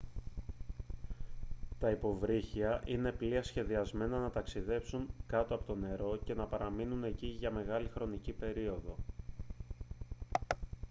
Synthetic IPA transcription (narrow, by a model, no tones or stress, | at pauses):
t̪ɐipo̞vɾiçiɐʔine̞pliɐsçe̞ðiɐzme̞nɐnɐt̪ɐksiðe̞psuŋkɐt̪oɐpo̞t̪one̞ɾo̞ce̞nɐpɐɾɐminune̞ciʝɐme̞ɣɐlixɾo̞nicipe̞ɾio̞ðo̞